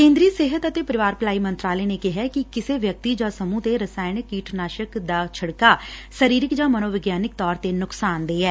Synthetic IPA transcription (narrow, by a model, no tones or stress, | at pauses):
kẽːnd̪ɾiːseːɦət̪ət̪eːpəɾɪʋaːɾpəlaːimə̃nt̪ɾaːlenekɪɦɛːkikɪseʋjək̚t̪id͡ʒãːsəmũt̪eɾəsaːɪnkiːʈʰnaːʃəkd̪aːt͡ʃʰəɽkaːsəɾiːɾɪkd͡ʒãːmənoːʋɪɡjaːnɪk̚t̪ɔːɾt̪enʊksaːnd̪eːɛː